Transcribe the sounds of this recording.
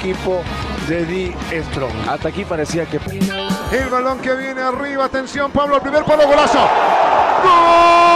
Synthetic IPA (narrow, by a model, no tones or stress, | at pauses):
kipoðeðiest̪ɾo̰ŋa̰t̪akipaɾesiakepaelβalõŋkeβjeneariβaːt̪ensjompaβloalpɾimeɾpaloɣolaso